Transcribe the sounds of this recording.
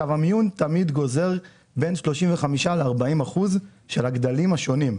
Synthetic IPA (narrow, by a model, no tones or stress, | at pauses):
avamijunt̪amid̪ɡo̞ze̞ʁ | be̞nʃlo̞ʃimveχamiʃaleaʁbaimaχuzʃe̞laɡd̪alimhaʃo̞nim